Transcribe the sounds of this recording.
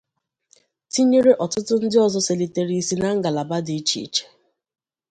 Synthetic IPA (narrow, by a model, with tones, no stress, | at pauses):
ti˦ɲe˦ɾe˦ʔɔ˨tʊ˦tʊ˦n̩˦dɪ˦ɔ˦zɔ˦se˨li˨te˨ɾi˦si˦na˦ŋ̩˦ɡa˨la˨ba˦dɪ˨˦t͡ʃḭ˨t͡ʃe̥˨